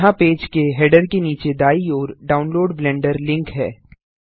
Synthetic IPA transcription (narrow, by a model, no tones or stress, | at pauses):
ɦãpeːd͡ʒkeɦeːɖəɾkeniːt͡ʃed̪aːiɔːɾɖaːʊnloːɖblɛ̃ːɳɖəɾlɪ̃ŋkɦɛ̰ː